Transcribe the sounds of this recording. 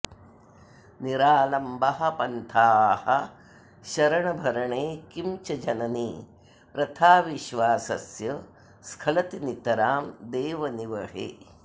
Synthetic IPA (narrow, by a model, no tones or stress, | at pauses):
niɾaːlɐmbɐɦɐ̆pɐnt̪ʰaːhɐ | ʃɐɾɐɳɐbʱɐɾɐɳeːkimt͡ʃɐd͡ʒɐnɐniː | pɾɐt̪ʰaːʋiʃʋaːsɐ̰sjɐ | skʰɐlɐt̪init̪ɐɾaːmd̪eːʋɐniʋɐɦḛː